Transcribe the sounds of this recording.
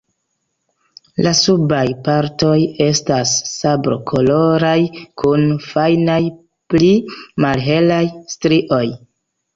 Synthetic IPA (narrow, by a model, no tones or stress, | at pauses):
lasubajpaɾto̞je̞stasːabɾo̰kʰo̞lo̞ɾajkʰunfajnaj | plimalɦe̞lajstɾiʔo̞j